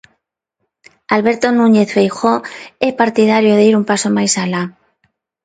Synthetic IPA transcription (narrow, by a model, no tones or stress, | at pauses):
alβe̞ɾt̪onũɲeθfejxoepaɾt̪ið̞aɾjoðeiɾumpasomajsala